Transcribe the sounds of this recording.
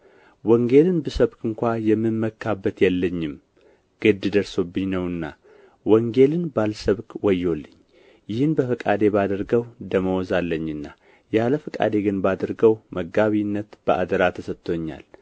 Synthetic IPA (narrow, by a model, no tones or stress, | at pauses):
wɔŋɡe̞lɨnbəsəβkɨŋkʷajɛmːɨnməkʰːabːət̪jɛlːəɲːɪm | ɡ̥ɨd̪ɨd̪əɾso̞bːɨɲnəwɨnːa | wɔŋɡe̞lɨnbalsəβkwɔjːo̞lːɨɲː | jɪhɨnbəfəkʼad̪e̞bad̪əɾɡəwd̪əməwɔzalːəɲːɨnːa | jaləfəkʼa̰d̪e̞ɡɨnbad̪əɾɡəwməɡaβinːət̪b̥əʔa̰d̪əɾat̪ʰəsət̪ʰʼːo̞ɲːa̰l